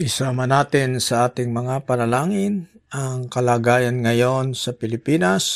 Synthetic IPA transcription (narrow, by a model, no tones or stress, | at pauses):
ʔɪsamɐnaːt̪ɪnsɐʔaːt̪ɪŋmɐŋapɐnɐlaːŋɪnʔɐŋkɐlaːɡaːjanŋɐjo̞nsɐpɪlɪpinas